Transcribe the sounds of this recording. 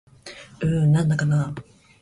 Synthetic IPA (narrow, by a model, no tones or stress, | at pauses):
ɯ̟̃nãnd̪akana